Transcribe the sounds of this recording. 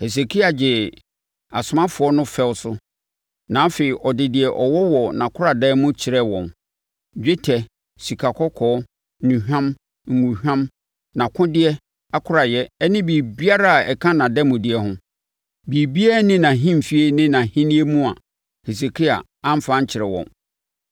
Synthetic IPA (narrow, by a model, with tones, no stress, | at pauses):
he˨s̬e˨kʰi˦a˨d͡ʑɪ˨ | a˨sʊ˨˦mã˦fʊ˨˦ɔ˦nʊ̃˦fɛ˦wʊ˦sʊ˦ | nã˨˦fe˨i˨ʔɔ˨dɪ˨dɪ˨ɛ˨ʔɔ˨wɔ˦wɔ˨nã˨kʰʊ˦ɾa˨dɛ˦mʊ̃˦t͡ɕʰɪ˨ɾɛ˦wɔ̃˨n | d͡ʑᶣɪ˦tʰɛ˨ | si˨kʰa˨kʰɔ˦kʰɔː˨˦˨ | nũ˨hᶣã˦m | ŋ̩˨ŋũ˨hᶣã˦m | nã˨kʰʊ̃˦dɪ˦ɛ˦ | a˦kʰʊ˦ɾa˨jɛ˦ɛ˦nɪ̃˦bi˨bi˦a˦ɾa˦a˨ɛ˨kʰã˦nã˨dɛ˦mʊ̃˨dɪ˨ɛ˦ɦʊ̃˦ | biː˨bi˦a˦nɪ̃˦nã˨ɦĩ˦m̩˨fi˦e˦nɪ̃˦nã˨hĩ˦nĩ˦e˦mũ˦a̰˨ | he˨s̬e˨kʰi˦a̰˨ | ã˦m̩˦fã˦ɲ̩˦t͡ɕʰɪ˨ɾɛ˨wɔ̰̃˨n